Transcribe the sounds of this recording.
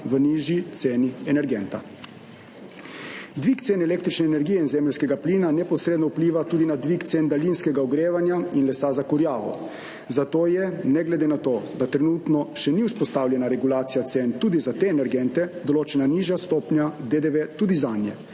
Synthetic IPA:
ʋəniːʒjit̪seːniɛnɛɾɡɛnt̪a̰ | d̪ʋikt̪seːnɛleːk̚t̪ɾit͡ʃnɛːnɛɾɡijɛinzɛːməlʲskɛɡaplinanɛpɔsɾeːd̪nɔupliːʋat̪uːd̪inad̪ʋikt̪send̪alinskɛɡaɔɡɾeːʋanjainlɛsazakuɾjaːʋɔ̰ | zat̪oːjɛnɛɡlɛd̪enat̪oːd̪at̪ɾɛnuːt̪nɔʃɛniuwspɔst̪aːwlʲjɛnaɾɛɡulaːt̪sijat̪sent̪uːd̪izat̪eɛnɛɾɡɛnt̪ɛd̪ɔloːt͡ʃɛnaniʒjast̪oːpnjad̪ed̪eʋet̪uːd̪izanjɛ̰

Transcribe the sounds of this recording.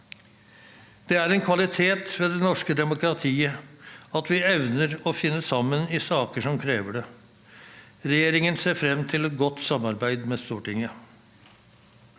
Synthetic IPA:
d̪̥ɛæɾɛnkʰʋɑlɪt̪ʰeːt̪ʋɛːd̪ɛnɔʂkəd̪ɛmʊkɾɑt̪ʰiːəɑt̪ʋɪɛʋnəɾɔfɪnːəsɑmːənɪsɑːkəʂɔmkʰɾeːʋəɖɛ | ɾɛjeːɾɪŋənseːɾfɾɛmːt̪ʰɪlɛt̪̚ɡɔt̪ːsɑmːɑɾbæɪd̪mɛst̪uːʈɪŋə

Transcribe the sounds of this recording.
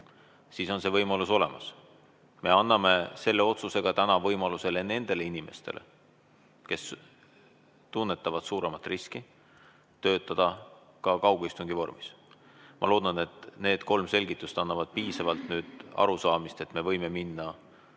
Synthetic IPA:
siːso̞nse̞vɤjmɑluso̞le̞̰mɑs | me̞ɑnːɑme̞se̞lːe̞o̞t̪suse̞ɡ̥ɑt̪ænɑvɤjmɑluse̞le̞ne̞nd̪̥e̞le̞inime̞̰st̪e̞̰lʔḛ | ke̞s | t̪unːe̞t̪ːˑɑvɑd̪̥suːɾe̞mɑt̪ːˑriski | t̪ø̞ːt̪ːˑɑd̪̥ɑ | kɑkɑwɡ̥uist̪uŋɡivo̞rmis | mʔɑ̰lo̞ːd̪̥ɑne̞t̪ne̞ːd̪ko̞lmse̞lʲɡ̥it̪ːˑuset̪ɑnːɑvɑd̪̥̚piːsɑvɑlt̪nyːd̪̥ɑ̰ɾusɑːmist̪e̞t̪ːme̞vɤ̞jme̞minːɑ

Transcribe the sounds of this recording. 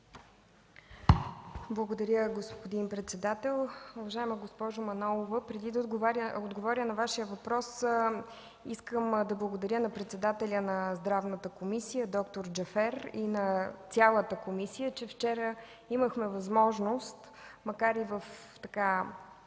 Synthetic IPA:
blˠəɡod̪ɐɾʲjəɡospod̪inpɾɛt̪sɛd̪at̪ɛlˠʊvɐʒaɛməɡospɔʒʊmɐnɔlˠovəpɾɛd̪id̪əod̪ɡovɾəod̪ɡovɔɾʲənɐvaʃijəvɐpɾɔs | iskəmd̪ɐblˠəɡod̪ɐɾʲənɐpɾɛt̪sɛd̪at̪ɛlʲənɐzd̪ɾavnət̪əkomisijəd̪ɔkt̪oɾd͡ʒɐfɛɾinɐsʲjalˠət̪əkomisijət͡ʃɛft͡ʃɛɾə | iməxmɛvɐzmɔʒnost̪ | mɐkaɾivəf | t̪ɐka

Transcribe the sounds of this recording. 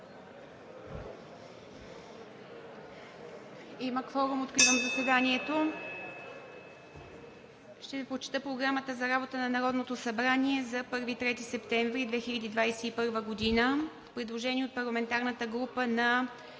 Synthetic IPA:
iməkfɔɾumot̪kɾivəmzɐsvɛd̪aniɛt̪o | ʃt̪ɛvipɾot͡ʃɛ̥t̪ɤpɾoɡɾamət̪əzɐɾabot̪ənɐnɐɾɔd̪not̪osɐbɾaniɛzɐpɤɾvit̪ɾɛt̪isɛpt̪ɛɱvɾid̪vɛxilʲɐd̪id̪vajsɛipɤɾvəɡod̪inəfpɾɛd̪lˠoʒɛnʲiɛot̪̚pɐɾlˠɐmɛnt̪aɾnət̪əɡɾupənɐ

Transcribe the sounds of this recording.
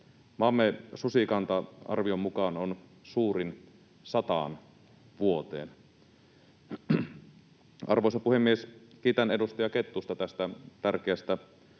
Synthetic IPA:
mɑmːesusikɑnt̪ɑɑ̰rʋiomːukɑnonsuːɾin | sɑt̪ɑ̰ˑn | ʋuot̪ḛːn | ʔɑrʋoisɑpuhemːieskiːt̪ænedust̪ɑjɑket̪ːust̪ɑt̪æst̪æt̪ærkeæst̪æ

